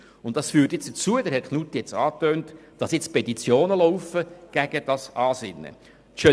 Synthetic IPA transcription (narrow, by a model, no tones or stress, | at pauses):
ʊnt̚dɑsfyːɾtjɪt͡sd̥ət͡suəd̪ɛɾhɛt̚χʰnut̪ːjɛt͡sɑːtøːntd̥ɑsjɪt͡spɛt̪it͡sjoːnəlɔwfəɡ̥æɡ̥əd̥ɑsʔɑːsɪnːə̰ | ʃø